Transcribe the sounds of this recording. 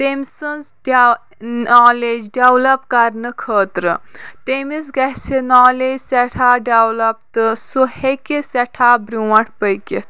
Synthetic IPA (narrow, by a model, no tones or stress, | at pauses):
t̪emʲsɨns | aːleːd͡ʒɖewlɐpkɐɾnɨkʰəːt̪ɾɨt̪emis̬ɡɐɦsenaːleːd͡ʒsɛʈʰaːɖɐwlɐp̚t̪ɨsuhekesɛʈʰaːbɾuwɐ̃ʈʰpəjkit̪